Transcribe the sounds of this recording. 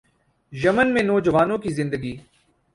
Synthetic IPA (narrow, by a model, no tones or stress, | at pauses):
jəmənmẽːnɔːd͡ʒəʋaːnõkiːzɪ̃nd̪əɡiː